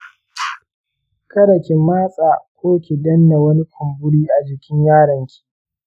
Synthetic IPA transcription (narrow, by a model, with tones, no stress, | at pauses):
kɐ˦ɽɐ˨kʲe˨maː˦sʼaː˨kʷoː˦kʲe˨dɐ˦nːa˨wɐ˦ni˦kʰʊ˨mbʊ˦ɽiː˦ʔa˨d͡ʒɪ˨kʲɪ˦ɲjaː˦ɽɐ˨ŋkʲʰi̥˨